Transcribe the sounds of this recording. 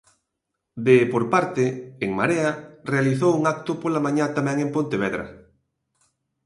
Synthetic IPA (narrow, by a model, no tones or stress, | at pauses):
d̪epoɾpaɾt̪eːŋmaɾearealiθowuŋak̚t̪ʊpolamãɲat̪amɛ̃ŋẽmpõnt̪eβ̞ɛðɾɐ̰